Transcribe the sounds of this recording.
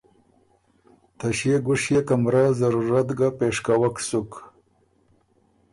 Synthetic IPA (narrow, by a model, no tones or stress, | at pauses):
t̪ʰaɕjeɡʊʂjekamɾazaɾuɾat̪ɡapeʂkawaksuk